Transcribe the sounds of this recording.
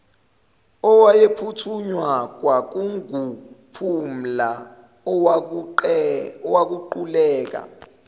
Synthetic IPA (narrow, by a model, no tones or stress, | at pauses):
ɔwajepʰutʰuɲwak̬wak̬uŋɡʱupʰum̩la | ɔwak̬uǃulɛːk̬a̰